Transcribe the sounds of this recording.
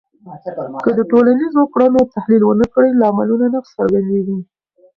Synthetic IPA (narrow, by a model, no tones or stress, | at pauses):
kəd̪əʈolanizwɑkɽanot̪ahlilwənəkɽəjlaːmalunanaxsaɾɡand̪ewi